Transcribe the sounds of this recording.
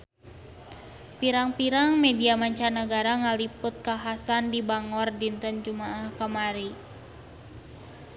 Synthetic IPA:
piɾaŋpiɾaŋmediamaɲt͡ʃanəɡaɾaŋalipʊt̪̚kaɦasandibaŋɔrdint̪ənd͡ʒumaahkəmaɾi

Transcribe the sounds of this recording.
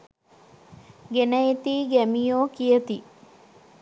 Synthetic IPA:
ɡenəjet̪iːɡæmijoːkijət̪i

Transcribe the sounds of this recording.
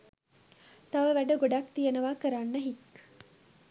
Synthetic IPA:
t̪ɐʋəʋæɖəɡoɖakt̪ijɐnəʋaːkəɾanːɐɦik

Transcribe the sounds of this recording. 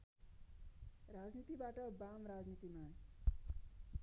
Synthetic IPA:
rad͡znit̪ibaʈʌbamɾad͡znit̪ima

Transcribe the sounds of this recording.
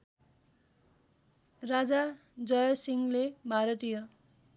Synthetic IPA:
rad͡za | d͡zʌjʌsiŋlebʱaɾʌt̪ijʌ

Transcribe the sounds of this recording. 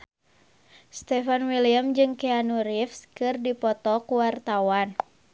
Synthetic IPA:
st̪ɛfanwiliamd͡ʒɨŋkɛanuɾifskɨrdipɔt̪ɔkuwart̪awan

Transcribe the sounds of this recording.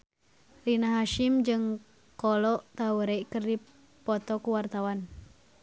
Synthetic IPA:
rinaɦaʃimd͡ʒɨŋ | kɔlɔʔt̪auɾekərdi | pɔt̪ɔkuwart̪awan

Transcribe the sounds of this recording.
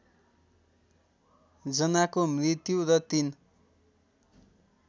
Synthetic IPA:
d͡zʌnakomrit̪juɾʌt̪in

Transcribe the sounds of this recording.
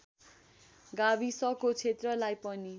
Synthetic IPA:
ɡabisʌkot͡sʰet̪rʌlajpʌni

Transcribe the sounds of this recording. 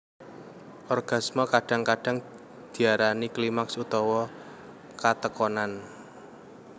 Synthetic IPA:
ʔɔrɡ̥a̤smɔkaɖ̥a̤ŋkaɖ̥a̤ŋ | d̪̥i̤aɾaniklimaksut̪ɔwɔ | kat̪əkɔnan

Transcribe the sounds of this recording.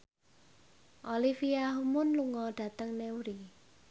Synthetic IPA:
ʔolifiaɦumʊnluŋɔɖ̥ä̤t̪əŋneuɾi

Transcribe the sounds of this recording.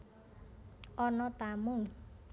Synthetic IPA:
ʔɔnɔt̪amuŋ

